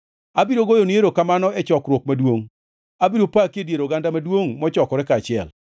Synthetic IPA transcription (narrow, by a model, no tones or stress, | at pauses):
abiɾoɡojonieɾokamanɔɛt͡ʃɔkɾwokmadwoŋ | abiɾopakiedjeɾoɡandamadwoŋmɔt͡ʃɔkɔɾɛkat͡ʃɪɛl